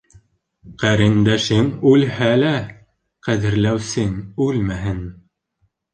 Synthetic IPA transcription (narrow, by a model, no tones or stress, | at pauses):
qæɾɘ̆nd̪æʃɘŋʉlhælæ | qæðɘ̆ɾlæwsɘŋʉlmæɦɘn